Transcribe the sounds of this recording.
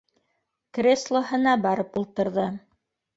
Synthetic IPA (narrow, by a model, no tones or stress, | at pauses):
krʲeslˠoɦɤ̆nɑbɑɾɤpulˠt̪ɤ̆ɾðɤ